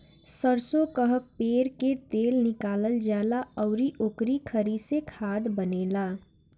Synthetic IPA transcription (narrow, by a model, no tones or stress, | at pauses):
səɾsokəɦək̚peɾket̪elnɪkaləld͡ʒalaɔʊɾiʔokɾikʰəɾisekʰad̪bənela